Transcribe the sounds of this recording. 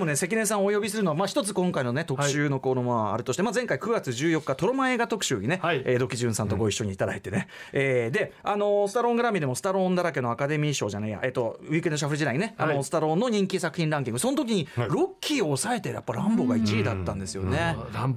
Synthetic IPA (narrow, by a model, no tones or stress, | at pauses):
d̪emo̞ne̞se̞kʲinẽ̞s̬ãɰ̃ojo̞bʲis̬ɨɾɯ̟noamaçi̥t̪ot͡sɨ̥kõ̞ŋkaino̞ne̞t̪o̞kɯ̥ɕɨːno̞ko̞ɾomoa̰ɾɯ̟t̪o̞ɕi̥t̪emad͡zẽ̞ŋkaikɯ̟ɡat͡sɨʑɨːjo̞kːat̪o̞ɾo̞mae̞ːɡat̪o̞kɯ̟̥ɕɨ̰ːɲ̟ine̞eːd̪o̞kʲiʑɨ̃ɰ̃sãnt̪oɡo̞iɕːo̞ɲ̟iːt̪ad̪ait̪e̞ne | eːd̪e̞ano̞sɨ̥t̪aɾõ̞ŋɡɯɾamʲid̪e̞mo̞sɨ̥t̪aɾõ̞nd̪aɾak̬eno̞akad̪e̞mʲiɕo̞ːʑaneja̰ʔeːt̪o̞ɯikenoɕ̬aɸɯɾiʑid̪aiɲineano̞sɨ̥t̪aɾõ̞nːo̞ɲ̟ĩŋkʲisakɯ̟çʲĩnɾãŋk̬ʲĩŋɡɯso̞not̪̬o̞k̬ʲiɲ̟iɾo̞kʲːiːoːsae̞t̪e̞ja̰pːaɾãmbo̞ɡait͡ɕiid̪at̪ːãnd̪e̞sɨjo̞̰ne